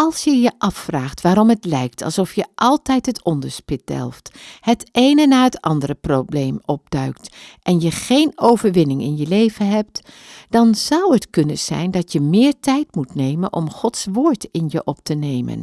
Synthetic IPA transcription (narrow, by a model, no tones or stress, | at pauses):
ɑlˠsjəjəʔɑfːraːχtʋaːɾɔmɦətlɛjk̚tʰɑ̰lˠsɔfjəʔɑlˠtɛjtɦətʰɔndəɹspɪt̚d̥ɛ̰lˠfthətʔejnənaːɹətɑ̰ndərəprowblejmɔb̚dœɥktʔɛnjəχejnowvəɹʋɪnɪŋɪ̰njəlejvənɦɛp̚t | d̥ɑnz̥ɑwətkɵnənz̥ɛ̰jndɑtjəmɪːɹtɛjtmutnejmənʔɔ̰mχɔtsʋoːɹtɪnjəʔɔp̚tənejmə̰n